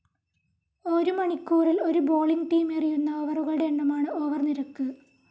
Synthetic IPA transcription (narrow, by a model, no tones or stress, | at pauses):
oɾumɐɳikʲːuːrilo̞ɾubo̞ːɭiŋɡʈiːmerijunːɐoːʋɐruɣɐɭɨɽeːɳːɐmaːɳɨoːʋɐrniɾɐkːɨ